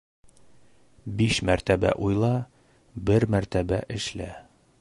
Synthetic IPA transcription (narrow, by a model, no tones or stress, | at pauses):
biʃmæɾt̪æbæ̰ʔujlˠɑ | bɘɾmæɾt̪æbæʔɘ̆ʃlæ̰